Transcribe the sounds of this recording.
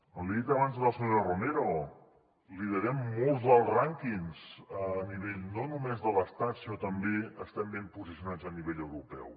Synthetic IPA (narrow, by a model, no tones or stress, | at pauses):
əmliðit̪əβanzðələsuɲoɾərumeɾo | liðəɾɛmːolˠzðəlˠzraŋkiŋsəniβeʎnonumezðələst̪at̪sinot̪əmbeəst̪ɛmbempuzisiunad͡zəniβeʎəwɾupɛ̰w